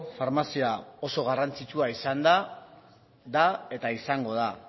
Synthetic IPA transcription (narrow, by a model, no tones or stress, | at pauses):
faɾmasiao̞so̞ɣ̞arant͡sit͡ʃuaisand̪a | d̪ae̞t̪aisaŋɡo̞ð̞a